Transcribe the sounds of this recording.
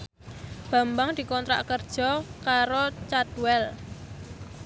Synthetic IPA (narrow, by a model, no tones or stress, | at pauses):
b̥a̤mbaŋd̪̥i̤kɔnt̪ɾa̰kərd̥ʒ̥ɔ̤kaɾot͡ʃad̥uwɛl